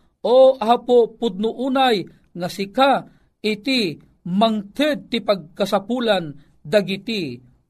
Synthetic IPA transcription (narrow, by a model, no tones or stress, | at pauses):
ʔoʔapopʊd̪̚nʊʔuːnaj | ŋasɪka | ɪt̪i | maŋt̪ɨd̪̚t̪ipaɡ̚kasapuːlan | d̪aɡit̪i